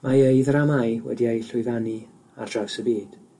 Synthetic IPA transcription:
mʔaejðramajwɛ̰diejɬʊɨðani | a̰rd̥rav̥səbiːd̥

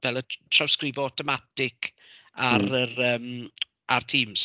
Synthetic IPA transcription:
vɛlˠətʰrawskrɪvɔɔtʰɔmatɪkʰ | aɾərəːm | artʰiːms

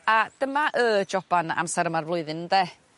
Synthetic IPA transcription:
ad̥əmaʔəd͡ʒɔb̥ana̰msɛɾəmarvlˠʊɨðɪnədɛ

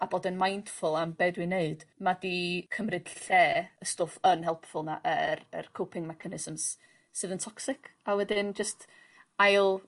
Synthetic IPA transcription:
aboːdɪnmajnd̥fʊlˠambɛdwɨneɨd̥madikʰəmrɨd̥ɬɛːəstoːfənhɛlˠpfʊlˠna̰ʔərə̰rkʰowpʰɪŋmɛkʰanɪz̥əmz̥ | sɨðəntʰɔksɪkʰawɛdɨnd͡ʒəst | ajlˠ

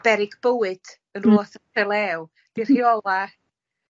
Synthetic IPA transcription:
b̥ɛɾɪɡbəwɨd̥ | ənruɔθəɛlˠɛw | d̥ir̥hiɔlˠa

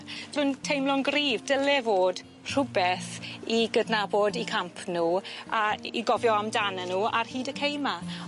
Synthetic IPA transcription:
r̥ʊntʰejmlˠʊnɡriːvdəlɛvoːd | r̥ʊbɛθiɡədnabɔdikʰampʰnuːaḭɡɔvjɔamdanənuːa̰rhiːdəkʰejma

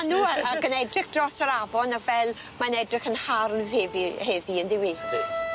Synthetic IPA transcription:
anuːəəɡənɛdrɪχd̥rɔsəɾavɔnavɛlˠ | manɛdrɪχənharðhɛvihɛðiəndɪweːd̥ḭ

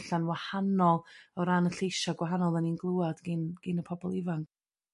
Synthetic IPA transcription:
ɬanwahanɔlˠɔɾanəɬejʃaɡwaɦanɔlˠəninɡlˠuad̥ɡinɡ̥inəpʰɔbɔlˠivank

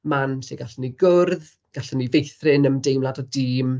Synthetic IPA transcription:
manɬeɡaɬəniɡʊrð | ɡ̥aɬənivejθrɪnəmdejmlˠadɔdiːm

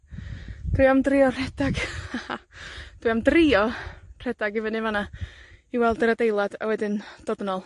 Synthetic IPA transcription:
d̥wijamdriɔr̥ɛdaɡ | d̥wijamdriɔr̥ɛdaɡɪvənɪvanaiwɛlˠdəɾadejlˠada̰wɛdɪnd̥ɔdnɔlˠ

